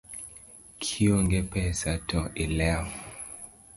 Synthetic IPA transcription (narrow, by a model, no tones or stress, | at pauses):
kʰiɔŋɡɛpɛsatʰɔʔilɛa